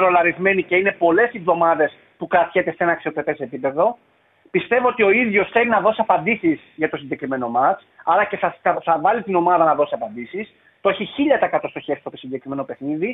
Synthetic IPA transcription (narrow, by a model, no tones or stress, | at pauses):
ɾo̞lɐɾizme̞nice̞ine̞po̞le̞sivðo̞mɐðe̞s | pukɾɐt̪çet̪e̞seenɐːksio̞k̪ɾet̪e̞sepipe̞ðo̞ | pist̪e̞voot̪io̞iðʝo̞sθe̞linɐðo̞sɐpɐnd̪isizʝɐt̪o̞siɲɟe̞kɾime̞no̞mɐt͡s | ɐlɐce̞θɐɐθɐvɐlit̪ino̞mɐðɐnɐðo̞siɐpɐnd̪isis | t̪ooçiçiʎɐt̪ɐekɐt̪ost̪o̞çe̞ɾist̪ot̪osiɲɟe̞kɾime̞no̞pexniði